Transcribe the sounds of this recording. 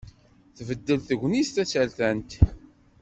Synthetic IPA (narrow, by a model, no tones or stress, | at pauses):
θvəd̪ːəlθəʝʷːnist̪æt͡sːælθænt̪